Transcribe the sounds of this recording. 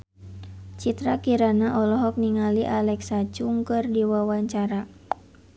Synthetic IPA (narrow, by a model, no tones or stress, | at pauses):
t͡ʃit̪ɾakiɾanaʔɔlɔɦɔk̚niŋaliʔalɛksat͡ʃuŋkɨrdiwawaɲt͡ʃaɾa